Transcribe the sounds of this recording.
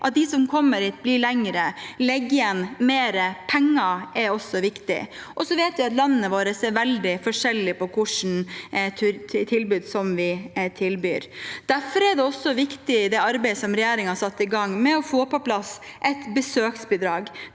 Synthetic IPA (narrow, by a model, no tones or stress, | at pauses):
ʔɑt̪̚d̪ɪsɔmkʰɔmːəɾhiːt̪̚blɪɭɛŋɾəlɛɡːɪɛnmeːɾəpʰɛŋːɑʔɛɾɔsɔʋɪkt̪ɪ̰ʔɔsɔʋeːt̪ʋɪɑt̪lɑnːəəʋoːɾəseːɾʋɛld̪ɪfɔʂɛlːɪpɔkʰʊʂn̩t̪ʰt̪ʰɪlbʉːd̪sɔmʋɪt̪ʰɪlby̰ːɾd̪̥æfɔɾɛd̪ɛɔsːɔʋɪkt̪ɪd̪ɛɑɾbɛɪəsɔmɾɛjæːɾɪŋhɑsɑt̪ːɪɡɑŋːmɛɔfoːpɔplɑsʔɛt̪bəsøːksbɪd̪ɾɑːɡ